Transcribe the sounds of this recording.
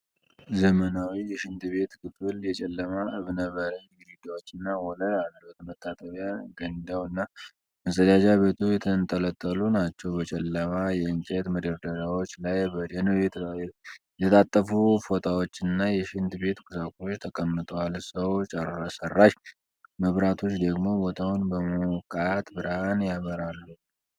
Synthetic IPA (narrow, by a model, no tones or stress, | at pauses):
zəmənawijɛʃɪnt̪be̞t̪kɨfɨljɛt͡ʃʼɛlːəmaʔɨβnəβəɾəɲɨɾiɡawot͡ʃːɨnːawɔləad̪ɾot̪mət̪ʰʼːat̪ʼəβjaɡənd̪awɨnːa | ɨnsʼəd̪ad͡ʒaβe̞t̪ʰujɛt̪ʰənt̪ʼələt̪ʼːəlunat͡ʃːɛwbət͡ʃʼɛlːəmajɛɨŋkʼet̪məd̪əɾd̪əɾawo̞t͡ʃːlajbəd̪ənɛt̪ʰ | jɛt̪ʰat̪ʼːəfufo̞t̪ʰʼawo̞t͡ʃːɨnːajɛʃɪnd̪be̞t̪kʰusakʰʼuot͡ʃːt̪ʰəkʼəmːɨt̪ʼəwalsəwt͡ʃʼərasərːaʃ | məβɾat̪ʰo̞t͡ʃːd̪əɡmo̞bo̞t̪ʰawʊnbəmokʼat̪bɨɾhanjaβəɾalːu